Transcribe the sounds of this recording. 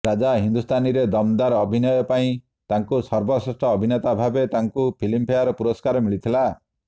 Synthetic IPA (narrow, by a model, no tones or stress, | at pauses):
ɾad͡ʒaɦind̪ust̪ʰaniɾed̪ɔmd̪aɾɔbʱinɔjɔpaĩ | t̪aŋkusɔɾbɔsesʈɔːbʱinet̪abʱabet̪aŋkupʰilimpʰeaɾɔpuɾɔskaɾɔmiɭit̪ʰila